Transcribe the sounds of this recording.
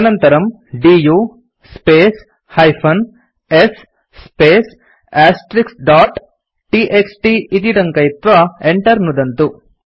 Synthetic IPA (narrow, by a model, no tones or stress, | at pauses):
ɐnɐnt̪ɐɾɐm | ɖiːjuː | speːs | hɐjpʰɐn | esː | peːs | aːsʈɾiksɖaːʈ | ʈiʔeksʈiit̪̬iʈɐŋkɐjit̪ʋɐeɳʈɐɾnud̪ɐnt̪u